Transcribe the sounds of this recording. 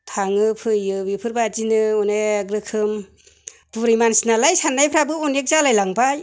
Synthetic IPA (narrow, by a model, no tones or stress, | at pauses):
tʰaŋɯpʰɯjɯbipʰɯɾbad͡ʒinɯɔneɡɾɯkʰɯm | tuɾijmansinalajsandajpʰɾabɯunek̚zalajlaŋpaj